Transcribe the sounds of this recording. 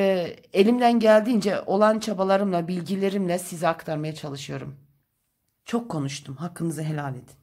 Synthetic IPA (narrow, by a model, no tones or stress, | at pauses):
e̞lʲimd̪ænɟælʲd̪iːnd͡ʒɛʔo̞lˠant͡ʃʰabalˠaɾɯmlˠabilʲɟilʲe̞ɾimlʲɛsiziakt̪ʰaɾmajat͡ʃʰalˠɯʃɯjo̞ɾum | t͡ʃʰo̞kʰːo̞nuʃt̪ʰumɦakʰːɯnɯzɯɦe̞lʲalʲe̞d̪i̥